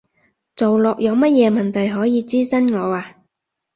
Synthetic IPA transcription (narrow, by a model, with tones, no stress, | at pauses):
t͡so˨wlɔː˨k̚jɐ˨˧wmɐ˥t̚jɛː˨˧mɐ˨nt̪ʰɐ˨jɦɔː˨˥jiː˨˧t͡siː˥sɐ˥nŋɔː˨˧aː˧